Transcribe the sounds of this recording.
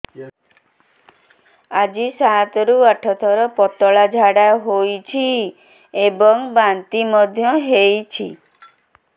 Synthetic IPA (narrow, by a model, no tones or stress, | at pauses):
ad͡ʒisat̪ɔɾuaʈʰɔt̪ʰɔɾɔpɔt̪ɔɭad͡ʒʱaɽaɦojt͡ʃʰi | ebɔŋbant̪imɔd̪ʱjɔɦejt͡ʃʰi